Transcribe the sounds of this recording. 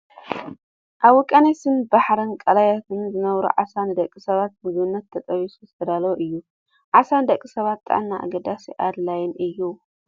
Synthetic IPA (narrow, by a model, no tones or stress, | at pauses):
ʔaβɔkʼɐnajsɨmbaħɾɐnkʼɐlajat̪ʰɨnzɨnɐβɾṵʕasanɨd̪ɐkʼːisɐβat̪̚mɨzβɨnːɐt̪ʰːɐt̪ʼɐβisɨst̪ʰɐd̪alwoʔɨjːu | ʕasand̪ɐkʼisɐβat̪ːʼa̰ʕanːaʔa̰ɡɐd̪asiʔad̪lajɪnʔɨjːu